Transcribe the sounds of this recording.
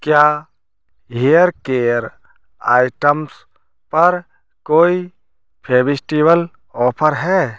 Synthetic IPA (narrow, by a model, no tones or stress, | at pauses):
kja | ɦijəɾkeəɾ | a̰ːɪʈəms | pɐɾ | koːi | pʰeːbisʈibəl | ɔːpʰəɾɦɛː